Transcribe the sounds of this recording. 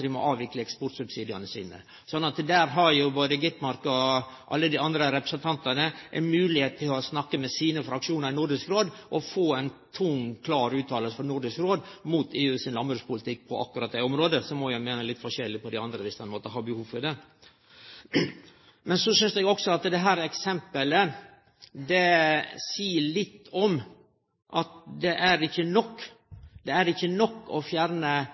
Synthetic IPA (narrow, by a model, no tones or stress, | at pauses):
dɪmɔ̰ʔɑːʋɪkləɛkspɔɾt̪sʉbsiːd̪ɪɑnəsḭːnə̰ | sɔnːɑt̪d̪æːɾɦɑɾjʊboːd̪əɡɪt̪mɑɾkɔ | ʔɑ̰lːəd̪ɪɑnd̪ɾəɾɛpɾɛsnt̪ʰɑnt̪ɑnəʔɛ̰ɪnmʉːlɪheːt̪t̪ʰːɪlɔsnɑkːəmɛsiːnəfɾɑkʂuːnəɾɪnʊɾɖ̪ɪskɾoːd̪ʔɔfoːɛɪnt̪ʰʊŋkʰlɑːɾʉːt̪ʰɑːləlsəfɔɾnʊɾɖɪskɾoːd̪muːt̪ʰeːʉːsɪnlɑmbɾʉspʊlət̪ʰɪk̚ːpʰɔʔɑ̰kːʉɾɑt̪̚d̪ɛɔmɾoːd̪əsɔmɔjæɪmeːnəlɪt̪ːfɔʂɛlːɪpʰɔd̪æɑnd̪ɾəʋɪsd̪ɛnmoːt̪əɦɑbəhuːfɔɾd̪ɛ | mɛnsɔsʏnsɛɡɔksɔɑt̪d̪ɛɦæːɾɛksɛmpələ | d̪ɛsiːəɭɪt̪ːɔm | ʔɑt̪̚d̪ɛʔæɾɪçːənɔkː | d̪ɛæɾɪçːənɔkːɔfjæːɾnə